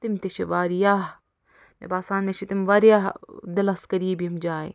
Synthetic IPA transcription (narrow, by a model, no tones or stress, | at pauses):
t̪ɪmt̪iʃeʋaːɾijaːɦ | mḛbaːsaːnmeʃit̪imʋaːɾjaːɦd̪ɪlɐskɐɾijebʱiɐmd͡ʒaːḛ